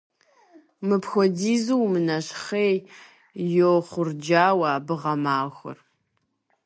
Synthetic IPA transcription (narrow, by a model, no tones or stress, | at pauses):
mɨpxʷɔdiːzuwmɨnɐɕχeːj | joχʷʊrd͡ʒaːwɐbɨʁɐmaːxʷʊ̰r